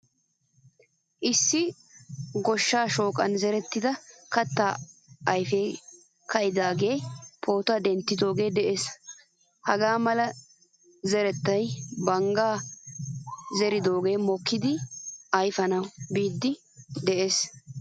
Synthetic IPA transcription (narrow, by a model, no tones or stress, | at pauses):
ʔɪsːɪ | ɡɔʃːaːʃo̞ːkʼɐnzɛɾɛt̪ːɪd̪ɐkɐt̪ːaːɐjfeː | kɐʔɪd̪aːɡe̞ːpʰo̞ːt̪ɐd̪ɛnt̪ːɪd̪o̞ːɡe̞ːd̪ɛʔeːs | hɐɡaːmɐlɐ | zɛɾɛt̪ːɐjbɐŋɡaː | zɛɾɪd̪o̞ːɡe̞ːmɔkʰːɪd̪ɪɐjfɐnɐwbiːd̪ːɪ | d̪ɛʔes